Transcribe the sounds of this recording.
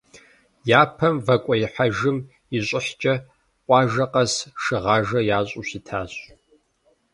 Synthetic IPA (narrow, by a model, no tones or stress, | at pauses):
jaːpʰɐmvɐkʷʼɔjɪħaʒɨm | iɕʷʼɪħt͡ʃʼɐ | qʷʼɑːʒɐqʼɐsʂɨʁɑːʒɐjaːɕʼuɕitʰaːɕ